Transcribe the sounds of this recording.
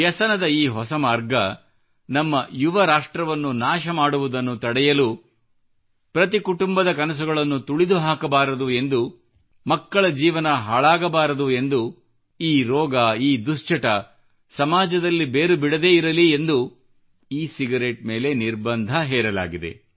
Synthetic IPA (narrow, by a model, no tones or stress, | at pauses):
jɐsɐnɐd̪ɐiːɦɔsɐmaːɾɡɐ | nɐmːɐjuʋɐɾaːʂʈɾɐʋɐnːunaːʃɐmaːɽuʋud̪ɐnːut̪ɐɽɛjɐlu | pɾɐt̪ikuʈumbɐd̪ɐkɐnɐs̬uɡɐɭɐnːut̪uɭid̪uɦaːkɐbaːɾɐd̪ue̞nd̪u | mɐkːɐɭɐd͡ʒiːʋɐnɐɦaːɭaːɡɐbaːɾɐd̪ue̞nd̪u | iːɾɔːɡɐiːd̪ust͡ʃɐʈɐ | sɐmaːd͡ʒɐd̪ɐlːibe̞ːɾubiɽɐd̪e̞ːiɾɐliend̪u | iːsiɡɐɾeʈ̚me̞ːle̞niɾbɐnd̪ʱɐɦɛːɾɐla̰ːɡid̪e̞̰